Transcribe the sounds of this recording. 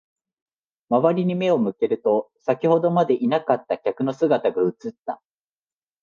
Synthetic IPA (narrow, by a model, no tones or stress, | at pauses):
maβaɾʲiɲ̟ime̞o̞mɯ̟ke̞ɾɯ̟t̪o̞ | sakʲiho̞d̪o̞mad̪e̞ʔinakat̪ːakʲakɯ̟no̞sɨɡat̪aɡaɯ̟t͡sɨt̪ːa